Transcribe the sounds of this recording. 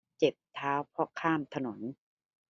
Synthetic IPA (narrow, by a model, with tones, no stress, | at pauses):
t͡ɕe˨˩p̚t̪ʰaː˦˥wpʰɔ˦˥kʰaː˥˩mt̪ʰa˧no˩˦n